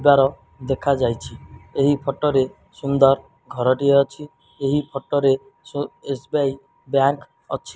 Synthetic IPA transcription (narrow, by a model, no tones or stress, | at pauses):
baɾɔ | d̪ekʰad͡ʒajt͡ʃʰieɦipʰɔʈɔɾe | sund̪ɔɾ | ɡʱɔɾɔʈieɔt͡ʃʰi | eɦipʰɔʈɔɾe | uesbiaj | bjaŋk | ɔ̰t͡ʃʰi